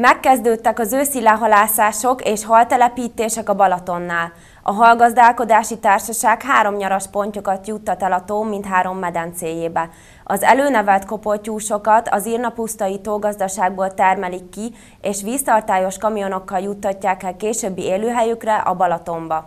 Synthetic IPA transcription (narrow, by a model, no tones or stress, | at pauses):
mɛkːɛzd̪øːt̪ːɛkɒzøːsilːɛɦɒlaːsaːʃo̞keːʃhɒlt̪ɛlɛpiːt̪eːʃɛkɒbɒlɒt̪o̞nːaːl | ɒɦɒlɡɒzd̪aːlko̞d̪aːʃit̪aːrʃɒʃaːkhaːɾo̞mɲɒɾɒʃpo̞ɲcokɒt̪jut̪ːɒt̪ɛlɒt̪oːmint̪ɦaːɾo̞mːɛd̪ɛnt̪seːjeːbɛ | ɒzɛ̰løːnɛvɛlt̪ko̞porcuːʃo̞kɒt̪ɒzirnɒpust̪ɒjit̪oːɡɒzd̪ɒʃaːɡ̚boːlt̪ɛrmɛlikːi | eːʃʋiːst̪ɒrt̪aːjo̞ʃkɒmijo̞no̞kːɒljut̪ːɒcːaːkɛlkeːʃøːbːieːløːɦɛjykrɛʔɒbɒlɒt̪o̞mbɒ